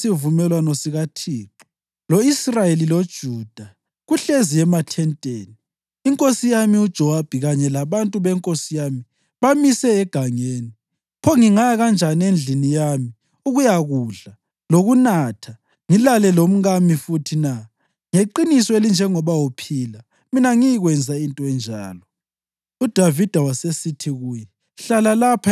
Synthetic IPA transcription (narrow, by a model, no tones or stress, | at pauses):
sivumɛlwanɔsiɣatʰiːǃɔ | loisrajelilod̥ʒ̥ʱuːd̥ʱa | ɣuɬezijɛmatʰɛntʼeːniː | ŋkʼosijamiud̥ʒ̥ʱɔwab̥ʱiɣaɲɛlaβantʼuβɛŋkʼosijami | βamisɛːɡ̥ʱaŋeːni | pʰɔŋiŋaaɣand͡ʒʱaniend͡ɮʱinijami | uɣujaɣuːɮa | loɣunatʰa | ŋilalɛlom̩ɣamifutʰina | ŋeǃinisɔelind͡ʒʱɛŋɔβawupʰila | minaŋijiɣwɛnd͡zʱaintʼɔɛnd͡ʒʱa̰ːlɔ | ud̥ʱavid̥ʱawasesitʰiɣujɛ | ɬalalapʰa